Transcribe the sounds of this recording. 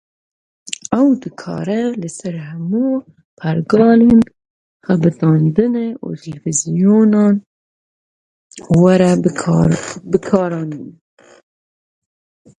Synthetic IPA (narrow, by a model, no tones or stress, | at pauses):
ɛwd̪ɨkʰɑ̰ːɾɛlɨsæɾhɛmu | pʰæɾɡɑːlen | xæbɨd̪ɑːnd̪ɨneʔṵt̪ʰɨlfizijoːnɑːn | waɾɛ | bɨkʰɑːɾɑːnin